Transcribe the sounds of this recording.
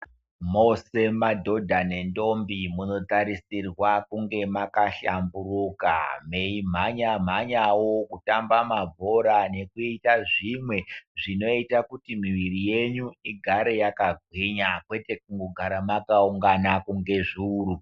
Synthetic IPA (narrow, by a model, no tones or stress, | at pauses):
mose̞madʱo̞dʱanendo̞mbimuno̞taɾisirwakuŋɡe̞makaɬa̰mburuka̰meim̤aɲam̤aɲawo̞kutambamabʱo̞ɾane̞kuitaʐimwe̞ʐino̞itakutimiʋirije̞ɲuiɡʱaɾe̞jakaɡʱwiɲakwe̞te̞k̚uŋɡoɡʱaɾamakauŋɡanakuŋɡe̞ʐiuːru